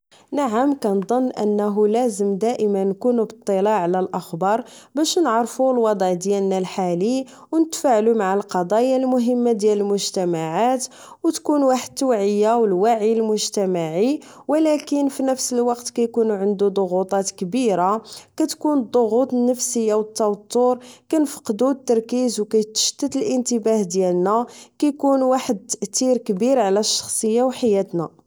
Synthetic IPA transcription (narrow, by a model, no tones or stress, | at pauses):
naʕəmkænd̪ˤonːʔə̰nːæɦulæzəmd̪æʔəmænːkunubət̪ˤːilɑʕlælʔəxbɑɾˤbæʃnəʕɾˤfulwɑd̪ˤʕd̪jælnælħali | wnət̪faʕlumaʕəlqɑd̪ˤɑjalmʊɦəmːad̪jæləlmʊʒt̪æmaʕat̪ | wt̪kunwaħəd̪̚t̪ːwʕəjːawəlwaʕilmʊʒt̪æmaʕi | wəlækənfinəfsəlwɑqt̪kæjkunuʕənd̪ud̪ˤoɣut̪ˤɑt̪kbiɾakæt̪kund̪ˤoɣut̪ˤnːəfsəjːawət̪ːɑwt̪ˤːuɾkænfə̥qd̪ut̪ːɑɾˤkizwkæjt̪ə̥ʃt̪ːət̪əlʔənt̪əbahd̪jælnækæjkunwaħəd̪̚t̪əʔt̪iɾkbiɾʕlæʃːɑ̥xsˤəjːawħajæt̪næ